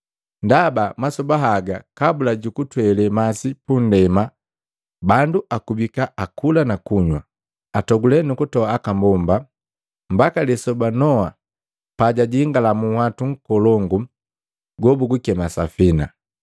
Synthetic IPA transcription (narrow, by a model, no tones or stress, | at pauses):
ndabamasɔbaɦaɡakabulaɟukutwɛlɛmasipun̩dɛma | banduʔakubikaʔakulanakuɲwa | atɔɡulɛnukutɔaːkambɔmba | m̩bakalɛsɔbanɔa | paɟaɟiŋɡalamuhwatuŋ̩kɔlɔŋɡu | ɡwɔbuɡukɛmasa̰fina̰